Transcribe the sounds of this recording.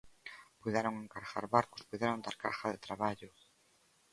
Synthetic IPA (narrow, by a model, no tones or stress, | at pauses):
pujðeɾoŋeŋkaɾxa̰ɾβaɾkʊ̥spujðeɾond̪aɾkaxaðet̪ɾaβaʎʊ